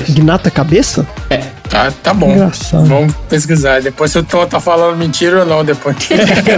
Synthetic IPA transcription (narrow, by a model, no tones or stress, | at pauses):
ɡinat̪ɐkabesɐɛt̪at̪abõɡɾasad̪vɐ̃mʊpes̬kizaɾd̪epojsewt̪ot̪afalɐ̃d̪ʊmĩt͡ʃiɾonɐ̃w̃d̪epojk